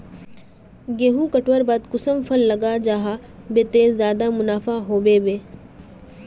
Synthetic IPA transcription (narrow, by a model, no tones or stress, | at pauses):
ɡeːɦũkɐʈwəɾbaːd̪kʊsəmpʰɐlːɐɡad͡ʒaːɦa | bet̪ezjaːd̪amʊnaːfaɦoːbeːbeː